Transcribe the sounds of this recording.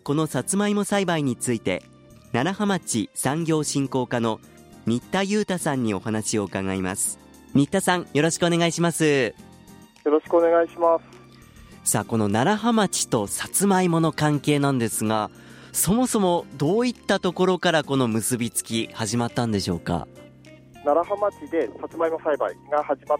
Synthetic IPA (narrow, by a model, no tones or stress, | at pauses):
ko̞no̞sat͡sɨmaimosaibaiɲ̟it͡sɨit̪e̞̰ | naɾahamat͡ɕisãŋɡʲo̞ːɕĩŋko̞ːkano̞ | ɲʲit̪ːajɯ̟ːt̪asãɲ̟ːio̞̰hanaɕio̞ɯ̟kaɡaima̰sɨ̥ | ɲʲit̪ːasãɰ̃jo̞ɾo̞ɕi̥kɯo̞ne̞ɡaiɕimasɨ | joɾo̞ɕi̥kɯoneɡaiɕimasɨ̥ | saːko̞no̞naɾaɦamat͡ɕi̥t̪o̞sat͡sɨmaimo̞no̞kãŋke̞ːnãnd̪e̞sɨɡa | so̞mo̞so̞mo̞d̪o̞ːit̪ːat̪o̞ko̞ɾo̞kaɾako̞no̞mɯ̟sɨbʲit͡sɨ̥kʲihaʑimat̪ːãnd̪e̞ɕo̞ːka̰ | naɾahamat͡ɕid̪e̞sat͡sɨmaimasaibaiɡahaʑima